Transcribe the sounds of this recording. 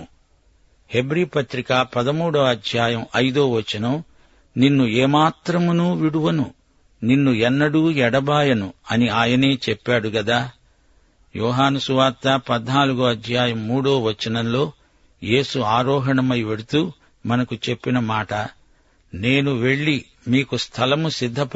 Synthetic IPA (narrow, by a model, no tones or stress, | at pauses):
he̞bɾiːpɐt̪ɾikaːpɐd̪ɐmuːɽoːɐd̪ʱjaːjɐmɐjd̪o̞ːʋɐt͡ʃːɐnɐm | ninːuɛːmaːt̪ɾɐmunuːʋiɽuʋɐnu | ninːuɛnːɐɽuːɛɽɐbaːjɐnuɐniaːjɐne̞ːt͡ʃɛpːaːɽuɡɐd̪aː | jɔːɦaːnɐsuʋaːɾt̪ːɐpɐd̪naːluɡoːɐd̪ʱjaːjɐmːuːɽoːʋɐt͡ʃːɐnɐmlo̞ː | je̞ːsuaːɾɔːɦɐɳɐmɐjʋe̞ɽut̪uː | mɐnɐkut͡ʃe̞pːinɐmaːʈɐ | neːnuʋe̞ɭːi | miːkust̪ʰɐlɐmusid̪ʱːɐp